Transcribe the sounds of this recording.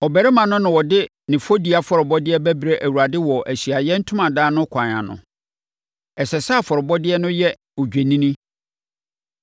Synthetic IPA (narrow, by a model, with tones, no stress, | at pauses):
ɔ˨bæ˨ɾɛ˦mã˨nʊ̃˦nʊ̃˨wɔ˨dɪ˦ | nɪ̃˨fo˦di˨a˨fɔ˨ɾʊ˨bɔ˦dɪ˦ɛ˦bæ˦bɾe˦ʔæ˨wu˨a˨dɪ˦wɔ˨ʔæ˨ɕi˨a˨jɛ˦n̩˦tʰʊ˦mã˨daː˦nʊ̃˦kʰã˨ɲ˨ã̰˨nʊ̰̃˨ | ɛ˨sɛ˨sa˦a˦˨fɔ˨ɾʊ˨bɔ˦dɪ˦ɛ˦nʊ̃˦jɛ˦ | ɔ˨d͡ʑᶣe˨nĩ˦nĩ˦